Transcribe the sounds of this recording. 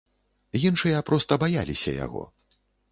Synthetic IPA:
jinʂɨjɐpɾɔst̪ɐbajalʲisʲɐ̰ja̰ɣɔ̰

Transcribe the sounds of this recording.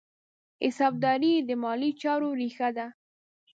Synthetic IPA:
ɪsɑb̚d̪ɑɾid̪əmɑlit͡ʃɑɾoɾixad̪a

